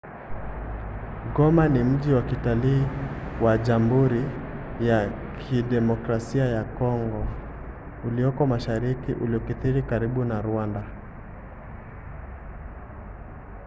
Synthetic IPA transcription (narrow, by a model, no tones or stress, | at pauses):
ɡɔmanim̩ʄiwakitaliːwaʄambuɾijakʰiɗɛmɔkɾasiajakɔŋɡɔ | uliɔkɔmaʃaɾikiʔuliɔkiθiɾikaɾiɓunaɾuanda